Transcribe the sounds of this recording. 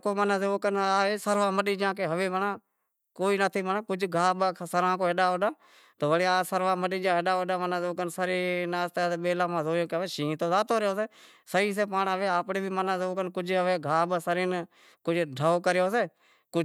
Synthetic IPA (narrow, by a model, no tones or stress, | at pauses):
koːmənaːseːoːkənaːesəɾʋaːməɗiːd͡ʒãːkeːɦəʋeːʋənaː | koːiːnət̪ʰiːmənãːkʊd͡ʒʱɡʱaːɓasəɾãːkoːɦeɗaːɗãː | t̪oːʋəɽeːaːsəɾʋaːməɗiːd͡ʒãːɦəɗaːoɗãːmənaseoːkənsəɾiːnaːst̪et̪eɓeːlãːmãːzoːoːkeʋeːʃĩːt̪oːzaːt̪oːɾjoːseː | səiːs̬eːpaːɳaʋeːaːpɽeːbʱiːmənãːseoːkənkʊd͡ʒɦəʋeːɡʱaːɓasəɾiːn | kʊd͡ʒɖʱəːoːkəɾjoːseː | kʊ